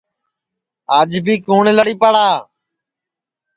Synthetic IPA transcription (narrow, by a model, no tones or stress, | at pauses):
aːd͡ʒbʱiːkuːɳləɽiːpəɽaː